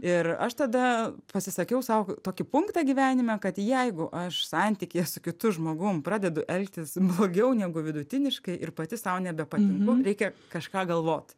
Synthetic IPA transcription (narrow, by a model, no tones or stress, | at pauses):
ɪrɐ̰ʃt̪ɐd̪ɐpɐsʲɪsɐkʲɛʊsɐʊt̪oːkʲɪpʊŋkt̪ɑːɡʲiːʋʲæːnʲɪmʲɛkɐt̪jɛɪɡʊʔɐʃsɑnʲt̪ʲiːkʲeɛsʊkʲɪt̪ʊʒmoːɡʊmpɾɑːd̪ʲɛd̪ʊʔɛlʲkt̪ʲɪsblˠoːɡʲɛʊnʲæːɡʊʋʲɪd̪ʊt̪ʲɪnʲɪʃkɐɪʔɪrpɐt̪ʲɪsɐʊnʲɛbʲɛpɐt̪ʲɪŋkʊɾʲɛɪkʲɛkɐʃkɑːɡɐlˠʋoːt̪ʲ